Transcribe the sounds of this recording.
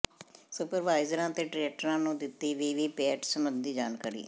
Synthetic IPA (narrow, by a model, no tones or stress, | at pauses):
sʊpəɾʋaːɪzəɾãːt̪eːʈɾɛːk̚ʈəɾãːnũːd̪ɪt̪ːiːʋiːʋiːpɛːʈsəmbənd̪iːd͡ʒaːnkaːɾḭː